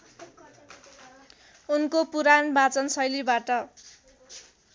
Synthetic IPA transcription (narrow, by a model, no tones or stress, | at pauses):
unkopuɾanbat͡sʌnsʌjlibaʈʌ